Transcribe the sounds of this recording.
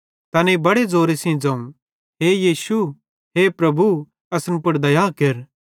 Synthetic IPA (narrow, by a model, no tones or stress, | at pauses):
t̪ɐːnebɐɽed͡zoːɾesĩd͡zɐ̃ːũ | ɦejiːsu | ɦepɾɐbu | ɐsənpʊɽd̪ɐjaːkeɾ